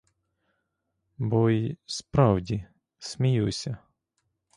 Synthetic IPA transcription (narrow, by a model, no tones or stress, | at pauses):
bɔjspɾɑwdʲi | smʲijusʲɐ